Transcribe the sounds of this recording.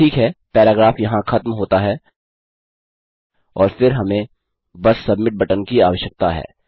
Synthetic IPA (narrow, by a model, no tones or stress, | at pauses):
iːkɦɛːpɛːɾaːɡɾaːfjɐɦãxɐt̪mɦoːt̪aɦɛː | ɔːɾfɪɾɦɐmẽ | bɐsːɐbmɪʈ̚bʱɐʈənkia̰ːʋəʃək̚t̪aɦɛ̰ː